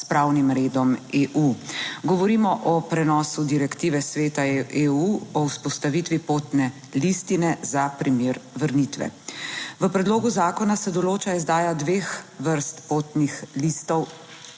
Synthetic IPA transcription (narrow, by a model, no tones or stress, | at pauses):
spɾaːwnimɾeːd̪ɔmeːʔuɡɔʋɔɾiːmɔʔɔpɾɛnɔːsud̪iɾɛkt̪iːʋɛsʋeːt̪aeːuɔwspɔst̪aʋiːt̪ʋipoːt̪nɛ | list̪inɛzapɾimeːɾʋəɾnit̪ʋɛ̰ʋəpɾɛd̪loːɡuzaːkɔnasɛd̪ɔloːt͡ʃaizd̪aːjad̪ʋeːxʋəɾst̪poːt̪nixlist̪ɔw